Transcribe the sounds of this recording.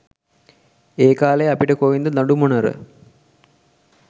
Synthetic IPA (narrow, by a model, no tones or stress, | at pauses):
eːkaːleɐpiʈəkoʋind̪əd̪ɐɳɖumonɐɾə̰